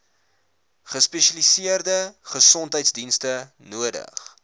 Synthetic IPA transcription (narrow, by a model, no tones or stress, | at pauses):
χəspɛʃɐlisiərdəχəsɔntɦəjtsdinstə | nuədə̰χ